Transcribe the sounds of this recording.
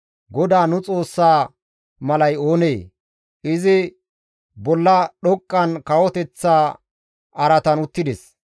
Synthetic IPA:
ɡɔd̪aːnʊt͡sʼo̞ːsːaː | mɐlɐjo̞ːneː | ʔɪzɪ | bɔlːɐɗɔkʼːɐnkɐwɔt̪ɛt͡sːaː | ʔɐɾɐt̪ɐnʊt̪ːɪd̪ɛs

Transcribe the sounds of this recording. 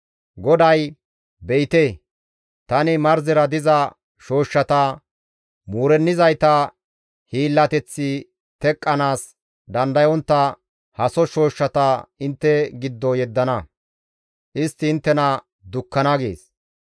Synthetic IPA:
ɡɔd̪ɐj | bɛjt̪eː | t̪ɐnɪmɐɾzɪɾɐd̪ɪzɐ | ʃo̞ːʃːɐt̪ɐ | muːɾɛnːɪzɐjt̪ɐ | hiːlːɐt̪ɛt͡sːɪ | t̪ɛkʼːɐnaːs | d̪ɐnd̪ɐjɔnt̪ːɐ | hɐsɔʃo̞ːʃːɐt̪ɐɪnt̪ːɛɡɪd̪ːɔjɛd̪ːɐnɐ | ʔɪst̪ːɪːnt̪ːɛnɐ | d̪ʊkːɐnɐɡḛːs

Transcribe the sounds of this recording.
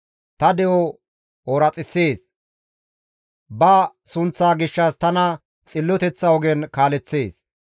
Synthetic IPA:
t̪ɐd̪ɛʔɔ | oːɾɐt͡sʼɪsːeːs | bɐsʊnt͡sːaːɡɪʃːaːst̪ɐnɐ | t͡sʼɪlːɔt̪ɛt͡sːɐɔɡɛnkaːlɛt͡sːeːs

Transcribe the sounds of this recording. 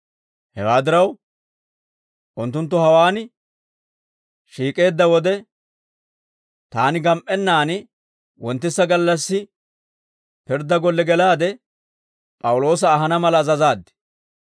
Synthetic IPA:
hɛwaːd̪ɪɾɐw | ʔʊnt̪ːʊnt̪ːʊhɐwaːnɪ | ʃiːkʼe̞ːd̪ːɐwɔd̪ɛ | t̪aːnɪɡɐmʔʼɛnːaːnɪ | wʔɔnt̪ːɪsːɐɡɐlːɐsːɪ | pɪɾd̪ɐɡɔlːɛɡɛlaːd̪ɛ | pʼɐwʊlo̞ːs̬ɐːɦɐnɐmɐlɐːzɐzaːd̪ːɛ̥

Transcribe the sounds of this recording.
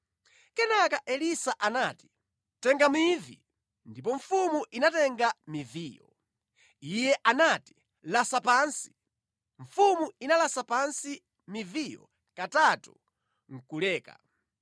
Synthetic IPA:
kɛnakaʔɛlisaʔanaːti̥ | tɛŋɡamivḭ | ndipɔɱfumuʔinatɛŋɡamiviːjɔ̰ | ijɛʔanati̥ | lasapaːnsi̥ | ɱ̩fumuinalasapansi | mivijɔ̰ | katatu | ŋ̩kulɛːka̰

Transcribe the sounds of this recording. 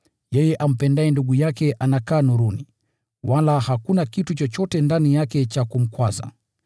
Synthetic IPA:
jɛjɛʔam̩pɛndaɛnduɠujakɛʔanakaːnuɾuni | walahakunakitut͡ʃɔt͡ʃɔtɛndanijakɛt͡ʃakum̩kwaza̰

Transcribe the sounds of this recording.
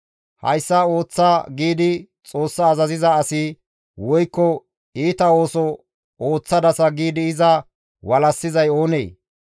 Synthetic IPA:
hɐ̰jsːɐo̞ːt͡sːaɡiːd̪ɪ | t͡sʼo̞ːsːɐːzɐzɪzɐːsɪ | wɔjkːɔ | iːt̪ɐo̞ːsɔ | oːt͡sːɐd̪ɐsɐɡiːd̪ɪɪzɐ | wɐlɐsːɪzɐjo̞ːnḛː

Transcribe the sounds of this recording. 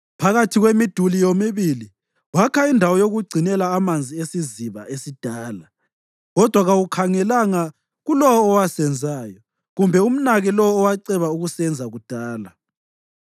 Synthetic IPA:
pʰaɣatʰiɣwemid̥ʱulijomiβili | wakʰaindʱawɔjoɣuɡ͡ǀʱinɛlaːmand͡zʱiesiziβaʔesid̥ʱaːla | ɣɔd̥ʱwaɣawukʰaŋɛlaŋa | ɣulɔwɔːwasɛnd͡zʱaːjɔ | ɣumbʱɛum̩naɣɛlɔɔːwaǀɛβauɣusɛnd͡zʱaɣud̥ʱaːla

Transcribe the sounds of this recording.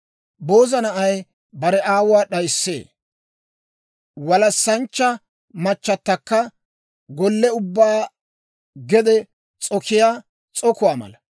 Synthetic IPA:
bo̞ːzɐnɐʔɐj | bɐɾɛʔaːwʊwaːɗɐjsːḛː | wɐlɐsːɐnt͡ʃːɐ | mɐt͡ʃːɐt̪ːɐkːɐ | ɡɔlːɛʊbːaː | ɡɛd̪ɛ | t͡sʼɔkʰɪjaː | t͡sʼɔkʊwaːmɐ̰lɐ

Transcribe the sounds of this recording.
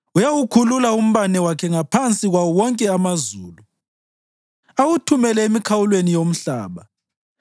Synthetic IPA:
ujawukʰululaum̩βanɛwakʰɛŋapʰant͡sʼiɣwawɔwɔŋkʼɛamazuːlu | awutʰumɛlɛemikʰawulwenijom̩ɬa̰ːβa

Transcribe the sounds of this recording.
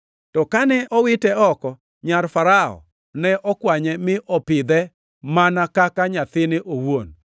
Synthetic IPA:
tɔkanɛʔɔwɪtɛɔkɔ | ɲaɾfaɾaɔ̰ | nɛʔɔkwaɲɛmɪʔɔpɪd̪ɛ | manakakaɲat̪ɪnɪʔowon

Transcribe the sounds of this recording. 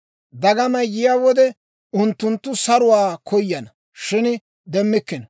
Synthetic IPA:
d̪ɐɡɐmɐjːɪjaːwɔd̪ɛ | ʊnt̪ːʊnt̪ːʊsɐɾʊwaːkʰɔjːɐnɐ | ʃɪn | d̪ɛmːɪkːɪn

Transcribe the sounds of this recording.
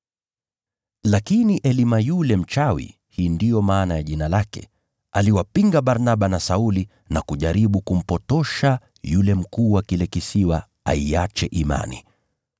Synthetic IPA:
lakiniʔɛlimajulɛm̩t͡ʃawḭ | hiːndijɔmaːnajaʄinalakɛ̰ | aliwapiŋɡaɓaɾnaɓanasauli | nakuʄaɾiɓukum̩pɔtɔʃa | julɛm̩kuːwakilɛkisiwa | a̰iat͡ʃɛʔima̰nḭ

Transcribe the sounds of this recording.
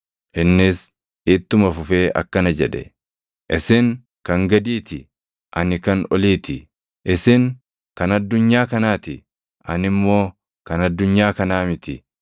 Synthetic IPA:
ʔɪnːɪs | ʔɪːt̪ːʊmɐfʊfeːʔɐ̰kːɐnɐd͡ʒɛᶑɛ̰ | ʔɪsɪŋ | kɐŋɡɐd̪iːt̪ɪ | ʔɐnɪkɐnɔliːt̪ɪ | ʔɪsɪŋ | kɐnɐd̪ːʊɲːaːkɐnaːt̪ɪ | ʔɐnɪmːo̞ː | kɐnɐd̪ːʊɲːaːkɐnaːmɪt̪ɪ

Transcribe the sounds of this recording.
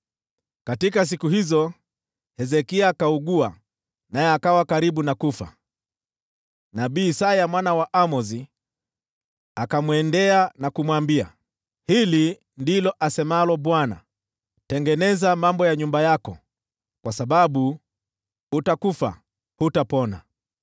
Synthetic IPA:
katikas̬ikuhizɔ | hɛzɛkiakauɡua̰ | najɛakawakaɾiɓunakufa̰ | naɓiːsajamwanawaʔamɔzi | akamwɛndɛanakumwambia̰ | hili | ndilɔʔasɛmalɔɓwana̰ | tɛŋɡɛnɛzamambɔjaɲumbajakɔ | kwasaɓaɓu | utakufa̰ | hutapɔna̰

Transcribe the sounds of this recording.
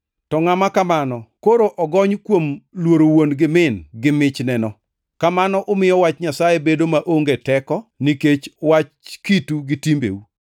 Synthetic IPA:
tɔŋamakamanɔkoɾoʔɔɡɔɲkwomlwoɾowonɡɪmɪnɡɪmɪt͡ʃnɛnɔ | kamanɔʔʊmɪjɔwat͡ʃɲasajebedomaʔoŋɡetɛkɔniket͡ʃwat͡ʃkituɡɪtimbḛu

